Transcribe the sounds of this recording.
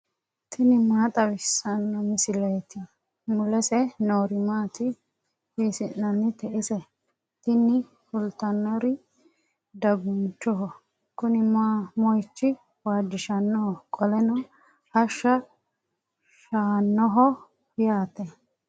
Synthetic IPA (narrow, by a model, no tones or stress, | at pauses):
t̪ʰɪnɪmaːt̪ʼɐwɪsːɐnːɔmɪsɪlɛjɛt̪ɪ | mʊlɛsɛnoːɾɪmaːt̪ɪ | hisɪnːɐnːɪt̪ɛʔɪsɛ | t̪ɪnɪ | fʊlt̪ːɐnːɔɾɪ | d̪ɐɡʊnt͡ʃːɔɦɔ | kʊnɪmamɔjt͡ʃːɪ | waːd͡ʒːɪʃɐnːɔhɔkʼɔlɛnɔ | hɐʃːɐ | ʃaːnːɔɦɔ | jaːt̪ɛ